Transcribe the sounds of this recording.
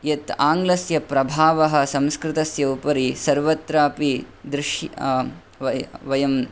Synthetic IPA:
jɐt̪aːŋɡlɐsjɐpɾɐbʱaːʋɐɦɐ̆sɐ̃mskɾɪt̪ɐsjɐupɐɾisɐɾʋɐt̪ɾaːpid̪ɾɪʃj | ʋɐjɐm

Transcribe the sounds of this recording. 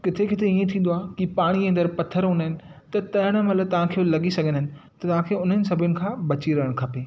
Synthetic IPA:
kɪt̪ʰekʰɪt̪ʰeiːẽt̪ʰĩːn̆d̪oaːkipaːɽ̃iẽnd̪əɾpɐt̪ʰəɾɦʊ̃nəɦɪnɪ̆t̪ɐt̪ɐɦəɽ̃ə̆mɐt̪ləb̚t̪ɐʋ̤ãkʰejolɐɠisɐɡʱə̃nɦɪnɪ̆t̪ɐt̪ɐʋãːkʰeʊn̤ənɪ̆sɐbʱʊnɪ̆kʰãːbɐt͡ɕiɾɐɦəɽ̃kʰɐpeː

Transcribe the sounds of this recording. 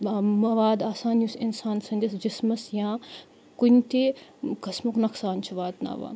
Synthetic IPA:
mɐʋaːd̪aːsaːnjusinsaːnsɐ̃nʲd̪ɐsd͡ʒismɐsjãː | kunʲt̪ekɐsmuknɐksaːnt͡ʃʰuʋaːd̪na̰ːʋa̰ː

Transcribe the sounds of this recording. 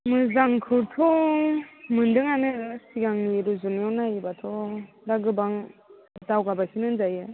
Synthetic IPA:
mɯzaŋkʰɯtʰɔ | mɯndɯŋanɯsiɡaŋniɾuzunjɔnajibatʰɔ | daɡɯbaŋdawɡabakʰinɯnzajɯ

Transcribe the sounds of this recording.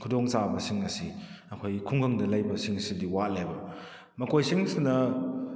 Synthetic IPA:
kʰudoŋsabɐsiŋɐsi | ɐkʰojkʰuŋɡɐŋdɐlɐjbɐsiŋsidiwat̚lajbɐ | mɐkojsiŋsinɐ

